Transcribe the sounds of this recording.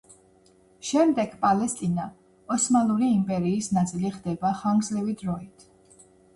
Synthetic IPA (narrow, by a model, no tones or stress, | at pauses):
ʃɛmd̪ɛɡ̥pʼalɛst̪ʼina | ɔsmalˠuɾiːmpʼɛɾiːsnat̪sʼiliχd̪ɛbaχaŋɡzlɛvid̪ɾɔit̪ʰ